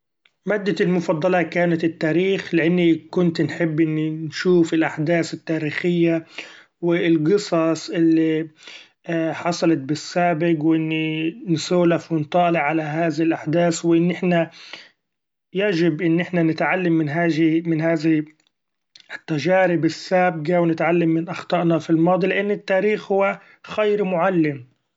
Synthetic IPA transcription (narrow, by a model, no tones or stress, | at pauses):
mad̪ːaɪlmʊfɑd̪ˤːɑlɑkaːnat̪ɪt̪ːaːɾiːxlɪʔanːikʊnt̪nħɪbːʔɪnːinʃuːfɪlʔaħd̪aːsɪt̪ːaːɾiːxɪjːa | wɪlɡɨsˤɑsˤʔɪlːi | ħɑsˤɑlɑt̪̚bɪsːaːbɪɡwʔɪnːinsuːlafwɪnt̪ˤɑːlɪʕːalaɦaːðalʔaħd̪aːswɪʔɪnːʔɪħna | jad͡ʒɪbʔɪnːɪħnanɪt̪ʕalːamːɪnɦaːmɪnɦaːza | ɪt̪ːaʒaːɾɪbɪsːaːb̚ɡawnɪt̪ʕalːamːɪnʔɑxt̪ˤɑʔnɑfilmɑːd̪ˤilɪʔanːɪt̪ːaːɾiːxhʊwːa | xajɾmʊʕalːɪm